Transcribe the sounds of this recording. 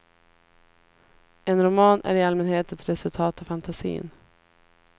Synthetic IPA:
ɛnɾʊmɑːnæ̰ɾɪalmɛnheːt̪ɛt̪ɾɛsɵlt̪ʰɑːt̪ɔfant̪ʰasḭːn

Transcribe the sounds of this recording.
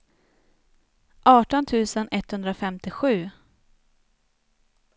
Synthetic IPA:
ʔɑːʈɔnt̪ʰʉ̟ːsənʔɛt̪hɵnd̪ɾafɛmt̪ɪɧʉ̟ː

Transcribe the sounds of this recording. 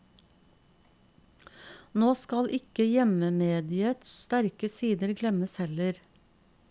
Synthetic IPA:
noːskɑlʔɪkəjɛməmeːd̪ɪət̪sst̪æɾkəsiːd̪əɾɡlɛməshɛləɾ

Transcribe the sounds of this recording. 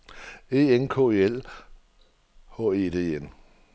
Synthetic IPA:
e̝̰ːenkʰɔ̝ːe̝ːel | hɔ̰ːe̝ːd̥e̝̰ːen

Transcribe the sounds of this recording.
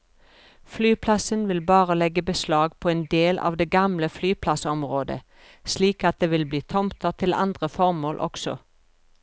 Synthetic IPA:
flyːpʰlɑsənʋɪlbɑːʁəlɛɡəbəslɑːɡpʰoːeːnd̪eːlʔɑ̰ːʋd̪eːɡɑmləflyːpʰlɑsɔmʁoːd̪ə̰ | sliːkɑt̪̚d̪eːʋɪlbliːt̪ʰɔmt̪əʁt̪ʰɪlɑ̰nd̪ʁəfɔʁmoːlʔɔ̰ksɔ̰

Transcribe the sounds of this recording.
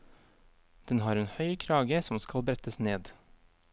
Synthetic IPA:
d̪̥ɛnhɑːɾeːnhœʏkʰɾɑːɡəsɔmskɑlbɾɛt̪əsneːd̪

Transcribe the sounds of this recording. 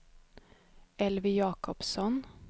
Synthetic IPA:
ɛlʋɪjɑːkɔpsɔn

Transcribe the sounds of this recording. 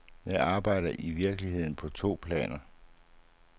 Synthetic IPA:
jɑ̈ɪʔɑ̈ːb̥ɑ̈ɪ̰dɐʔiʋiɐɡ̥liɦe̝ð̞̰ˠn̩pʰɒ̽t͡sʰo̝̰ːpʰlɛ̰ːnɐ

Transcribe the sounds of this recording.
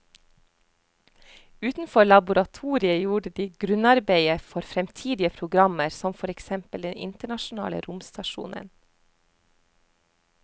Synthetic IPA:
ʉːt̪n̩fɔlɑbʊɾɑt̪ʰuːɾɪəjuːɖəd̪iːɡɾʉnɑɾbeɪəfɔɾfɾɛmt̪ʰiːd̪ɪəpʰɾʊɡɾɑməɾsɔmfɔɾɛksɛmpəld̪ɛnɪ̰nt̪əɳɑʃʊnɑ̰ːlə̰ɾʊmst̪ɑʃṵːnʔə̰n

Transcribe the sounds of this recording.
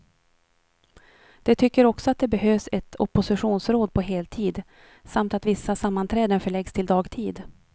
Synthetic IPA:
d̪̥ɛt̪ʰʏkːəɾɔksɔat̪̚d̪ɛbɛɦøːvsɛt̪ʰɔpːʊsɪɧuːnsɾoːd̪̚pʰɔɦeːlt̪ʰiːd̪ | samt̪at̪vɪsːasamːant̪ʰɾɛːd̪ənfœɭɛɡst̪ʰɪld̪ɑːɡt̪ʰiːd̪

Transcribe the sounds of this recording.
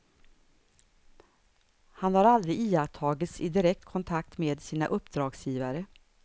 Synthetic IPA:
hanhaɾald̪ɾɪiːat̪ʰɑːɡɪt̪sɪd̪ɪɾɛk̚t̪kʰɔnt̪ʰak̚t̪meːd̪siːna̰ʔɵpːd̪ɾɑːɡsjiːvaɾə

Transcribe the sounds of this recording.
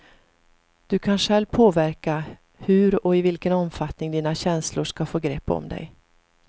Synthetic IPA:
d̪̥ɵkʰanʂɛlvpʰoːvæɾka | hɵɾɔɪvɪlkənɔmfat̪nɪŋd̪iːnaɕɛnslʊʂkafoːɡɾɛpːɔ̰md̪ɛ̰j

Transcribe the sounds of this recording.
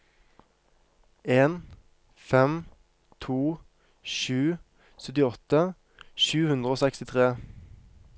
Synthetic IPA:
eːn | fɛm | t̪ʰuː | ʃʉː | sœt̪ɪɔt̪ə | ʃʉːhʉnd̪ʁəoːsɛkst̪ɪt̪ʰʁeː

